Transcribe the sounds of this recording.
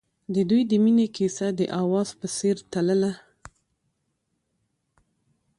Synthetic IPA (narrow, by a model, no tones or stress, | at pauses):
d̪əd̪ujd̪əminekisad̪əʔawɑz̥pəseɾt̪aləla